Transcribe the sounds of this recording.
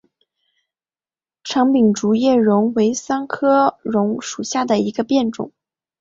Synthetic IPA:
ʈ͡ʂʰɑ˧˥ŋpi˨˩ŋʈ͡ʂu˧˥jɛ˥˩ɻʊ˧˥ŋwe˧˥ɪsa˥ŋkʰɤ˥ɻʊ˧˥ŋʂu˨˩ɕja˥˩d̪ə˩i˧˥ɡə˧pjɛ˥˩nʈ͡ʂʊ̰˨˩˦ŋ

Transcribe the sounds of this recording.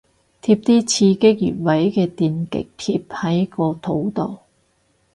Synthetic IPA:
t̪ʰiː˧p̚t̪iː˥t͡sʰiː˧kɪ˥k̚jy̰ː˨˩n̚wɐ˨˥jkɛː˧t̪iː˨nkɪ̰˨k̚t̪ʰiː˧p̚hɐ˨˥jkɔː˧t̪ʰo˨˥wt̪o˨˩w

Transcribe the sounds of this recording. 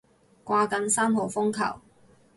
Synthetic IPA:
kʷaː˧kɐ˨˥nsaː˥mɦo˨˩wfʊ˥ŋkʰɐ̰˨˩w

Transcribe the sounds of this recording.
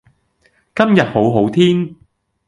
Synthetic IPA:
kɐ˥mjɐ˨t̚ho˨˥wɦo˨˥wt̪ʰiː˥n

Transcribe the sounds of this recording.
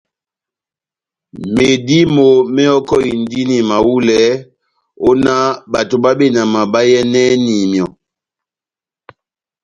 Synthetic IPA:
me˨di˦mo˨mɛ˦ɔ˦kɔ˦i˨ndi˦ni˨ma˨wu˦lɛ˨˦ | o˦na˦ɓa˨to˨ɓa˦ɓe˦˨na˨ma˨ɓa˦jɛ˦nɛ˦ni˨mjɔ˨

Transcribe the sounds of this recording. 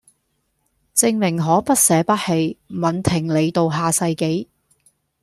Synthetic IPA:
t͡sɪ˧ŋmɪ˨˩ŋɦɔː˨˥pɐ˥t̚sɛː˨˥pɐ˥t̚he˧jmɐ˨nt̪ʰɪ˨˩ŋle˨˧jt̪o˧wɦaː˧sɐ˧jke˨˥j

